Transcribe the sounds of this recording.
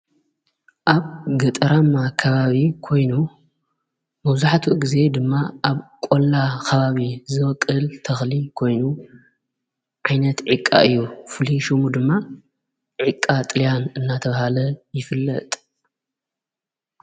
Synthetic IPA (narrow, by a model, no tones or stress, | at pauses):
ʔaβɡɐt̪ʼɐɾamːakʰɐβaβikʰo̞jnu | mɐβzuħt̪ʰuɡize̞d̪ɨmːaʔaβkʼolːakʰɐβaβizɨwkʼːɨlt̪ʰɐxlikʰo̞jnu | ʕajnɐt̪ʕikʼːa̰ʔɨjːufɨliʃɨmud̪ɨmːa | ʕikʼːat̪ʼɨlijanɨnːat̪ʰɐβahalɐjɪfɨlːɐ̰t̪ʼ